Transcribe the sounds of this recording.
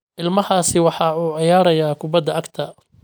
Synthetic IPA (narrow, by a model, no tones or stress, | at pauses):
ʔɪlmɐhaːsɪwɑħɑːuːʕɪjaːɾɐjaːkʰʊbɐd̪ɐʔɐkt̪ʰɐ